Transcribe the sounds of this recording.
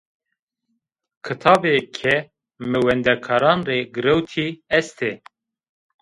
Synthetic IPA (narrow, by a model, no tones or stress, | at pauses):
kʰɨt̪ʰɑːbekʰɛ | mɛwɛnd̪ɛkʰɑːɾɑːnreːɡɨɾɛwt̪ʰiɛst̪ʰeː